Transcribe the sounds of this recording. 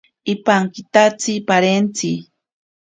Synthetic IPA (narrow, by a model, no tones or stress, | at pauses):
ɪpaŋkit̪at͡sipaɾent͡si